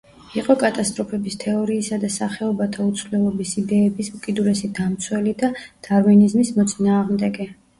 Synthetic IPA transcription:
iqʼɔkʼat̪ʼast̪ʼɾɔpʰɛbist̪ʰɛɔɾiːsad̪asaχɛɔbat̪ʰaut̪sʰvlɛlˠɔbisid̪ɛːbisukʼid̪ulɛsid̪amt̪sʰwɛlid̪ad̪̥aɾminizmismɔt̪sʼinaːʁmd̪ɛɡɛ

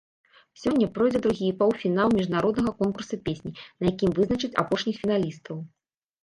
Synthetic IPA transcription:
sʲɔnʲːɐpɾɔjd͡zʲɛd̪ɾuɣʲipawfʲinalˠmʲiʐnaɾɔd̪nɐɣɐkɔnkursɐpʲesʲnʲinɐjakʲimvɨznɐt͡ʂɨt͡sʲa̰pɔʂnʲixfʲinalʲist̪ɐw

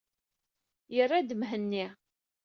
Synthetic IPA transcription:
jərːad̪mɦənːi

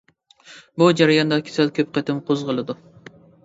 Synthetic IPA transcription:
bud͡ʒɑɾɪjɑnd̪ɑkʲʰe̥sɛlkʲʰøp̚qʰɛt̪ʰɪmqʰozʁəlˠɨd̪u

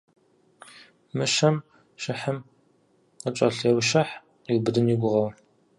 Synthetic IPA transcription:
mɨʃɐm | ʃɐħəm | ət͡ʃʷʼɐ̰ɬɛwʃɐħ | iwbɨdɨniɡʷʊʁɐwɐ

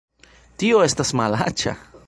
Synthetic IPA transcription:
t̪ioest̪asmalat͡ʃa̰

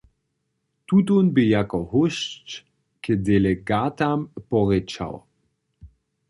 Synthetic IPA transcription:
t̪ut̪unbijakɔhʊʃt͡ʃ | kɛd̪ɛleɡaːt̪ampɔʁɛt͡ʃa̰w

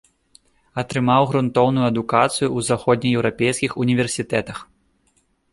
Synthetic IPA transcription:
ɐt̪ɾɨmawɣɾunt̪ɔwnujuɐd̪ukat̪sɨjuuzaxɔd̪̚ʲnʲijɛwɾapʲejskʲixunʲivʲɛrsʲit̪ɛt̪ɐx

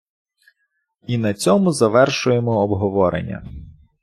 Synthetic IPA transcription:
inɐt͡sʲɔmʊzɐʋɛrʃʊjemɔːbɦɔʋɔɾḛnʲːɐ̰

